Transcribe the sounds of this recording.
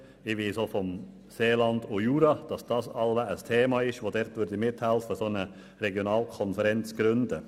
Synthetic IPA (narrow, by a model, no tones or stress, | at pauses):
ɪʋiːsoːfɔm | seːlɑnd̪ojuːɾɑd̥ɑsd̥ɑsɑlʋəʔəst̪ʰeːmɑɪʃʋoːdɛɾt̪ʋʏɾd̪əmɪt̪hælfəsonə | ɾɛɡjonɑːlkʰɔnfəɾɛnt͡sɡ̥ɾʏndə